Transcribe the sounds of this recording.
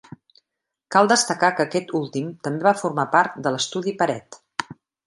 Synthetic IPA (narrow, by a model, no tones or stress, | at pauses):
kalˠd̪əst̪əkakəːkɛt̪ulˠt̪imt̪əmbeβafurmapaɾt̪̚d̪ələst̪uð̞ipəɾɛt̪